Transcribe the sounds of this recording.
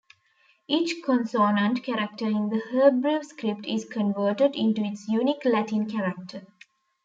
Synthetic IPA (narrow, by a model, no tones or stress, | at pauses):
ʔiːt͡ʃkʰɔ̃nsoːnə̃ɳʈkæɾək̚ʈəɪ̃nd̪əhəːbɾuskɾɪp̚ʈɪzkʰə̃nʋəːʈəɖɪ̃ɳʈuɪʈsjuːniklæʈĩnkʰæɾək̚ʈʰə